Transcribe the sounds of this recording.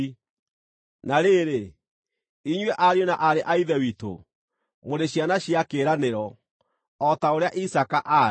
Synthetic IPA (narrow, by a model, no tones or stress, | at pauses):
naɾeɾe | iɲwɛʔaɾjonaʔaɾeʔaiðɛwito̰ | moɾeɕjanaɕiakeːɾaneɾɔ | ɔtaoɾeaʔisakaʔa